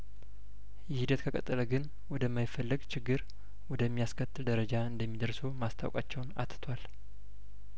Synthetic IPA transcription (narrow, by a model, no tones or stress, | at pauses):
jɪhid̪ət̪kʰəkʼə̰t̪ʼːɨləɡɨn | wɔd̪əmːajɪfəlːɨɡt͡ʃʰɪɡːɨɾ | wɔd̪əmːijaskʰət̪ʰːɨld̪əɾəd͡ʒaɨnd̪əmːid̪əɾsomast̪ʰa̰wkʼa̰t͡ʃːɛwna̰t̪ɨ̥t̪ʰwal